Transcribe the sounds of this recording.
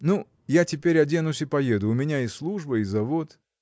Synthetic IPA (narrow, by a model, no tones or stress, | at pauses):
nu | jatʲɪpʲeɾʲɐdʲenʊsʲɪpɐjed̪ʊʊmʲɪnʲaɪslˠuʐbəɪzɐvot̪